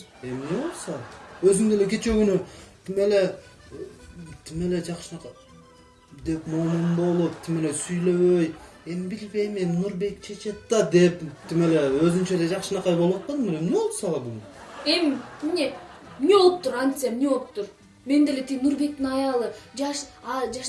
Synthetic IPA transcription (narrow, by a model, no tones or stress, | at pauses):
e̞mneo̞lˠsɑøzyŋd̪ele̞kʲe̞t͡ʃeɡynyt̪ʰime̞le̞ | t̪ʰime̞le̞d͡ʒɑqʃɯnɑq | d̪e̞pmomumbo̞lˠupt̪ʰime̞le̞syjlø̞βøj | e̞mbilbe̞jmemnuɾbe̞kt͡ʃʰe̞t͡ʃe̞t̪ːɑd̪e̞pt̪ʰime̞le̞øzynt͡ʃele̞d͡ʒɑqʃɯnɑqɑjbowot̪̚pɑd̪meɾemneolˠpsɑlˠɑd̪un | e̞mmine | mineo̞lˠup̚t̪uɾant̪sɨjamineo̞lˠup̚t̪uɾ | me̞nd̪e̞le̞t̪inuɾbe̞k̚t̪inɑjɑlˠɯd͡ʒɑʃɑd͡ʒɑ